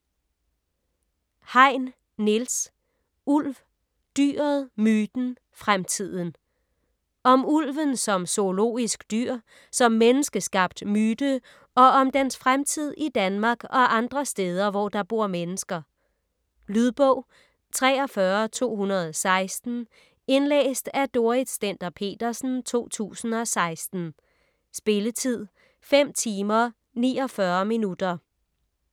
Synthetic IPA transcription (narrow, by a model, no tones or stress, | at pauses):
hɑ̈ɪ̰nː | els | ul̰ʋ | d̥y̰ːɐðˠmyːd̥n̩ | fʁamt͡sʰið̞̰ˠən̩ | ɒ̽mulʋənsɒ̽mso̝lo̝̰ːisɡ̥d̥yɐ̰ | sɒ̽mːenəsɡ̥əsɡ̥ɑ̈b̥̚d̥myːd̥ə | ɒ̽ɒ̽md̥ensfʁamt͡sʰið̞̰ˠid̥ænmɑ̈ːɡ̥ɒ̽ʔɑ̈nd̥ʁɐsd̥eːð̞ˠɐʋɒd̥ɑ̈b̥o̝ɐ̰menəsɡ̥ɐ | lyðˠb̥ɔʊ̰ | t͡sʰʁɛːɒ̽fɶːɐt͡sʰo̝̰ːhunɐð̞̩ˠɒsɑ̈ɪsd̥n̩ | e̝nlḛːsd̥æd̥o̝ɐid̥sd̥end̥ɐpʰe̝̰ːd̥ɐsn̩t͡sʰo̝̰ːt͡sʰṵːsn̩ɒ̽sɑ̈ɪsd̥n̩ | sb̥e̝lət͡sʰið̞̰ˠ | fem̰t͡sʰiːmɐ | nḭːɒ̽fɶːɐminud̥ɐ